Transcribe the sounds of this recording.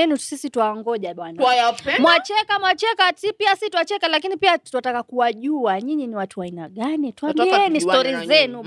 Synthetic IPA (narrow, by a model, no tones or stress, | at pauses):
ɛnusisitwaŋɡɔʄaɓwanawajamwat͡ʃɛkamwat͡ʃɛkatipiasituwat͡ʃɛkalakinipiatuatakakuwaʄuaɲiɲiniwatuaina̰ɠanitwamiɛnistɔɾizɛnu